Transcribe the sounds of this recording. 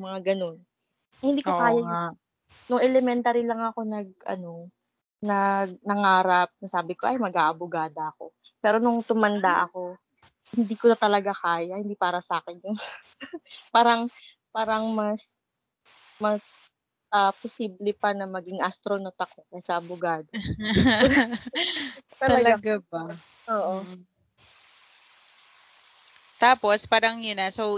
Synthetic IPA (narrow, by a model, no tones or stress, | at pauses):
mɐŋaɡɐno̞n | ɐjhɪnd̪iːkkok̪aːjɐ | nʊŋɛlɛmɛnt̪aːɾilɐŋɐko̞nɐɡ̚ʔɐ̰no̞ | nɐɡ̚nɐŋaːɾɐp̚nɐsaːbɪko̞ʔɐjmɐɡaːʔɐbʊɡaːd̪ɐɐko̞ | pɛːɾo̞nʊŋt̪ʊmɐnd̪aʔɐko̞ | hɪnd̪iːkonɐt̪ɐlɐɡakaːjɐhɪnd̪iːpaːɾɐsaːkɛnjʊŋ | paːɾɐŋ | paːɾɐŋmɐs | mɐs | ʔɐposiːblɛpɐnɐmɐɡiŋʔɐst̪ɾonot̪ɐko̞kɐjasɐʔɐbʊɡaːd̪o | t̪ɐɐlɐaɡabɐ | ʔoːʔo | t̪aːpo̞spaːɾɐŋjʊnasow